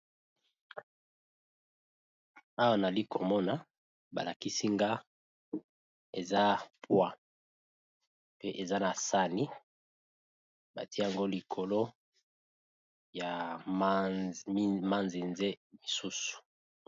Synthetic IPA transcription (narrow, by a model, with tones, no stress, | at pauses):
a˦wa˦na˨li˦ko˨mɔ˦na˨ | ba̰˨la˨ki˦si˦ŋɡa˦ | e˨za˦pwa˦ | pe˦ʔe˨za˦na˨sa˦ni˦ | ba̰˨ti˦˨a˨ŋɡo˦li˨kʰo˨lo˦ | ja˨˦ | ma˦nzi˨nze˦mi˨su˦su̥˨